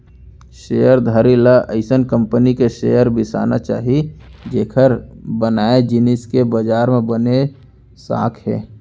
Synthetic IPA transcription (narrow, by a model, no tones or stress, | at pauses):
ʃejəɾd̪ʱəɾilaʔəɪsənkə̃mpənikeʃejəɾbɪsa̰ːna̰t͡ʃa̰ːɦid͡ʒeːkʰəɾbənaːed͡ʒɪnɪskebəd͡ʒaːɾmẽbəne | sa̰ːkʰɦɛ̰ː